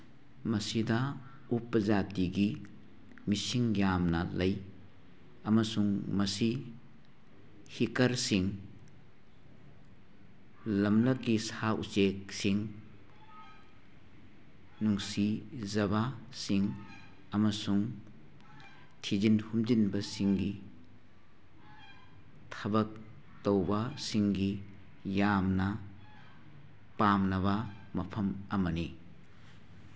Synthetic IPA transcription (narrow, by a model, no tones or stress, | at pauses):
mɐsidɐ | upːɐzatiɡi | misiŋjamnɐlɐj | ɐmɐsuŋmɐsi | hikɐɾsiŋ | lɐmlɐkːisaṵsek̚siŋ | nuŋsizɐba | siŋ | ɐmɐsuŋ | tʰid͡ʒinhumd͡ʒinbɐsiŋɡi | tʰɐbɐk̚ | towbɐsiŋɡi | jamnɐ | pamnɐβɐ | mɐpʰɐmɐmɐni